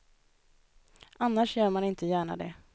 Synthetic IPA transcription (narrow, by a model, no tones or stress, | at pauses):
ʔanːaʂjœːɾmanɪnt̪əjæːɳa̰d̪ɛ